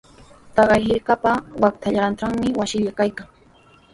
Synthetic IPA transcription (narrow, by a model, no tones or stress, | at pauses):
t̪ɑɢɑjɦɪɾkapawak̚t̪ʰaʎaɾanʈ͡ʂaŋmɪwasɪʎakajkaŋ